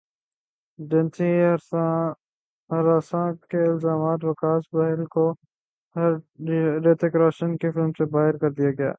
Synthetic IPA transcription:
ɖənsiɾa | ɾaːsãkeɪlzaːmaːt̪ʋɐkaːsbaːɦɪlko | hɾɖeːt̪ekɾaːʃənkefɪlmsebaːɦɪɾkɐɾd̪ijaɡɪja̰ː

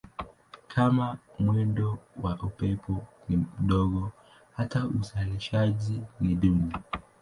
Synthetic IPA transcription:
kʰamamwɛndɔwaʔupɛpʰɔnim̩ɗɔɠɔ | hatauzaliʃaʄiniɗuni

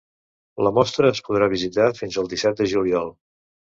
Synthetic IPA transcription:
ləmɔst̪ɾəːspuð̞ɾaβizit̪afinzəlˠd̪isɛt̪̚d̪əʒuliɔlˠ

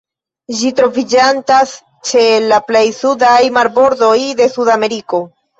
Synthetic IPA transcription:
d͡ʒitɾo̞vid͡ʒantas | t͡ʃe̞laple̞jsudajmaɾbo̞ɾdojde̞sudame̞ɾiko̞

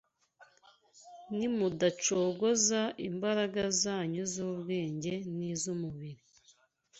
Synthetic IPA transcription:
nimudat͡ʃo̞ːɡo̞zaimbaɾaɡazaːɲuzuːβɡe̞ːɲɟe̞nizumuβiɾi

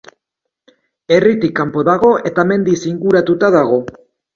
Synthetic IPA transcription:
e̞rit̪ikːampo̞ðaɣ̞o̞ʔe̞t̪ame̞nd̪isiŋɡuɾat̪ut̪aðaɣ̞o̞

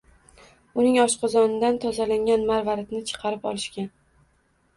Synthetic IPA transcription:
ʊnɪŋɒʃqɑzɒnɪd̪ant̪ʰɒzalaŋʲanmaɾvaɾɪt̪nɪt͡ʃʰɨ̥qʰɑɾɪpɒ̰lɪʃkʲan

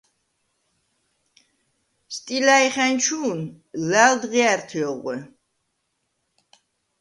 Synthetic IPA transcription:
st̪ʼilaiχænt͡ʃʰuːn | læld̪ʁiæɾt̪ʰiɔʁʷɛ

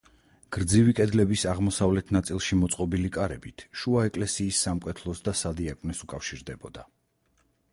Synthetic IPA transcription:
ɡ̥ɾd̪zivikʼɛd̪lɛbisaʁmɔsavlɛt̪ʰnat̪sʼilˠʃimɔt̪sʼqʼɔbilikʼaɾɛbit̪ʰʃuaɛkʼlɛsiːsːamkʼɛt̪ʰlˠɔsd̪asad̪iakʼnɛsukʼafʃiɾd̪ɛbɔd̪a

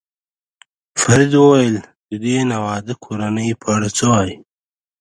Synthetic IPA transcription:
faɾid̪wəwajəl | d̪əd̪enawɑd̪əkʰoɾanəjpʰəaɽat͡səwɑji

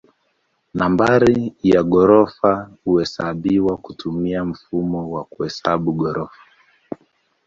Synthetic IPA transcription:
nambaɾijaɠɔɾɔfahuɛsaɓiwakutumiam̩fumɔwakuɛsaɓuɡɔɾɔfḁ

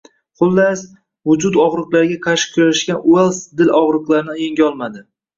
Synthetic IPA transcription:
χʊlˠːas | vʊd͡ʒʊd̪ɒʁɾɨqlˠaɾɡʲakʰaʃɪ̥kʰʲʊɾaʃkʲanʔʊelˠsd̪ɪlɒʁɾɨqlˠaɾɪnɪjeŋɡʲaɒlˠmad̪ɪ

